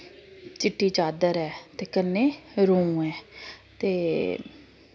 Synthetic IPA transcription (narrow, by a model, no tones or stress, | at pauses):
t͡ʃɪʈːiːt͡ʃaːd̪əɾɛːt̪eːkənːeːɾõũːɛːt̪eː